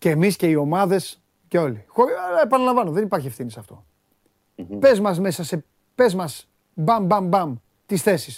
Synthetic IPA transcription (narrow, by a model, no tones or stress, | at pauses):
ceːmisce̞io̞mɐðe̞s | ce̞o̞lixoɾiepɐnɐlɐɱvɐnoðenipɐɾçiefθinisɐft̪o̞ | pe̞zmɐzme̞sɐse | pe̞zmɐs | bɐmbɐmbɐm | t̪isθe̞si̥s